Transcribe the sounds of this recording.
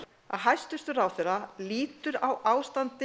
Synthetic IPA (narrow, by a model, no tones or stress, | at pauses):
a̰ðɦajst̪ʏst̪ʏɾaːwθɛɾaliːt̪ʏɾawaːwst̪ant̪ɪ